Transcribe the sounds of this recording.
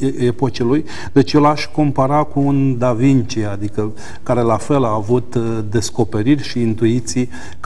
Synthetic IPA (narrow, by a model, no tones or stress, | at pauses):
epot͡ʃeluj | d̪et͡ʃjelaʃʲko̞mpaɾakuːnd̪avint͡ʃiad̪ikə | kaɾe̞lafe̞laːvut̪d̪e̞sko̞pe̞ɾirʲʃiːnt̪uit̪sij | k